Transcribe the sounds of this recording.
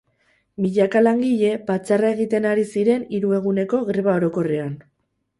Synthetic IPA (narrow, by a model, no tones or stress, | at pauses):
miʎakalaŋɡiʎe̞pat͡sarae̞ɣ̞it̪e̞naɾisiɾe̞niɾue̞ɣ̞une̞ko̞ɣɾeβao̞ɾo̞ko̞re̞an